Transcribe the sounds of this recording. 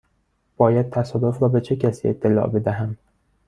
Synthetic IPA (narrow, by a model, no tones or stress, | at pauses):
b̥ɒːjæd̪̥̚t̪ʰæsɒːd̪ofɾɒːbe̞t͡ʃʰe̞cʰæsiːet̪ʰːe̞lɒ̰ːʔbe̞d̪æɦæm